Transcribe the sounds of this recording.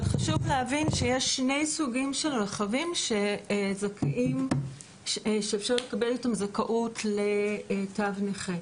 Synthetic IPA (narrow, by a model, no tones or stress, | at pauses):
odχaʃuvleavinʃejeʃne̞jsuɡimʃelʁeχavimʃezakʰʔim | ʃeːfʃaʁlekabelitamzakaʔutʰletavneχe